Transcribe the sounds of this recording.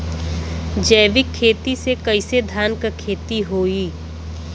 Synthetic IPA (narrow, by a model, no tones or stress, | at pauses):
d͡ʒəːʋɪkʰːeːt̪isekɐɪsed̪ʱaːnkkʰːeːt̪iɦoːiː